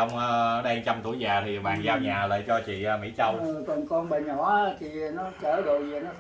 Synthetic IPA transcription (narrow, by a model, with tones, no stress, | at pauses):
ə˧wŋ͡məː˧ɗɛ˧ŋt͡ɕa˧mt̪ṵ˧˩˦jzaː˨˩t̪ʰi˨˩ɓa̰ː˧˨nzaː˨˦wɲaː˨˩ləː˧˨˩jt͡ɕɔ˧t͡ɕḭ˧˨əː˧mḭ˧˥˦t͡ɕə˧wt̪ə˨ŋkɔ˧nɓə˨˩ŋ̟hɔ˨˦t̪ʰi˨˩nɔ˨˦t͡ɕəː˧˩ɗo˨jzi˨˩nɔ˨˦